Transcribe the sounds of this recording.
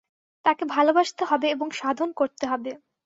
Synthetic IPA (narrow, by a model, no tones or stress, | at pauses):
t̪akebʱalobaʃt̪eɦɔbeeboŋʃad̪ʱonkoɾt̪eɦɔbe